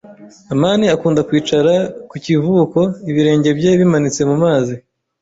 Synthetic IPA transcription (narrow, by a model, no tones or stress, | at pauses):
amaːniakuːndakwiːt͡ʃaɾakucivuko̞iβiɾe̞ːɲɟe̞bje̞βimanit͡se̞mumaːzi